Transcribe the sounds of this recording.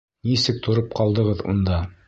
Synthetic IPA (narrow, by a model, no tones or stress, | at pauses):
nisɘk̚t̪ʰŏɾɤp̚qɑlˠd̪ɤ̆ʁɤðṵnd̪ɑ